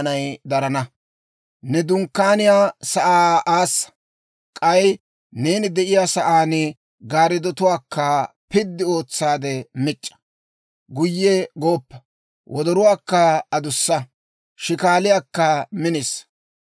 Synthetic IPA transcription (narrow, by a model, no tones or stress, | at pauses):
nɐjd̪ɐɾɐnɐ | nɛd̪ʊŋkːaːnɪjaːsɐʔaːʔaːsːɐ̥ | kʼɐj | ne̞ːnɪd̪ɛʔɪjaːsɐʔaːn | ɡaːɾɪd̪ɔt̪ʊwaːkʰːɐ | pɪd̪ːɪo̞ːt͡sːaːd̪ɛmɪt͡ʃʼːɐ̥ | ɡʊjːɛɡo̞ːpːɐ | wʔɔd̪ɔɾʊwaːkːɐɐd̪ʊsːɐ | ʃɪkaːlɪjaːkːɐmɪnes